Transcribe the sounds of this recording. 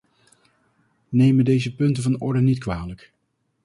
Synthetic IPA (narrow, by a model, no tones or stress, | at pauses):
nejmədejzəpɵntəvɑnɔɹdənitkʋaːlək